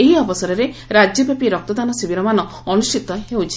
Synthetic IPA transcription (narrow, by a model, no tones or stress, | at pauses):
eɦiɔbɔsɔɾɔɾeɾad͡ʒjɔbapiɾɔk̚t̪ɔd̪anɔsibiɾɔmanɔ | ɔnusʈit̪ɔɦewt͡ʃʰi̥